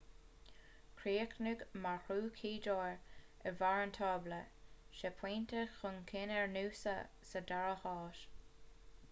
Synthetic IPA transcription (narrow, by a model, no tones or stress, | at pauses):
kʰɾiːknəɡmaɹxuːkʰiːdoːɹəvaɹəntʰɑːbləʃɛpʰwiːnt̪əxʊnkʰɪnɛɹnuːsə̰ | sədaɹəxɑːʃ